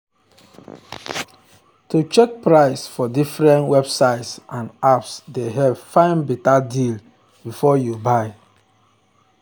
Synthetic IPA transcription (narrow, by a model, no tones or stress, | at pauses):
tut͡ʃɛk̚pɹaɪsfɔdifɹɛ̃ntwɛbsaɪtsʔãnapsdeɦɛv̥fãɪ̃nbitadil | bifɔjubaɪ